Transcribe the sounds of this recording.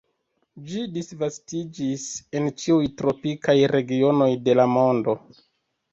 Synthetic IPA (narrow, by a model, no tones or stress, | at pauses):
d͡ʒidisvastid͡ʒise̞nt͡ʃiujtɾo̞pikajɾe̞ɡio̞no̞jde̞lamo̞ndo̞